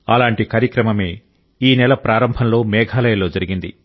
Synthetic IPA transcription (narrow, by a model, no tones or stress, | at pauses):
ɐ̰laːɳʈikaːɾjɐkɾɐmɐme̞ː | iːnɛlɐpɾaːɾɐmbʱɐnlo̞ːmɛːɡʱaːlɐjɐlo̞ːd͡ʒɐɾiɡind̪ḭ